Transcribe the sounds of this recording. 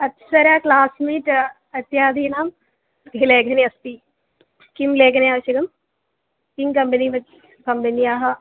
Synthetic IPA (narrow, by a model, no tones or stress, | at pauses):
ɐt̪sɐɾjaːklaːsmiːʈ | ɐt̪jaːd̪iːnaːm | b̪ileːɡʱɐniɐst̪i | kimleːɡɐnijaːʋʃiɡɐm | kiŋkɐmpɐniʋɐt͡ʃ | kɐmpɐniaːɦɐ